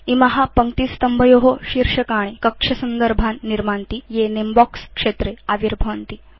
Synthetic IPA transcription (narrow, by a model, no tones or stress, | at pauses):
imɐɦapəŋt̪iːst̪əmbʱəjoɦoɕiɾʂɐkaɽ̃ekəkʂɐsənd̪əɾbʱanːiɾmant̪ijenembɔkskʂet̪ɾeaʋiɾbʱɐʋnt̪iː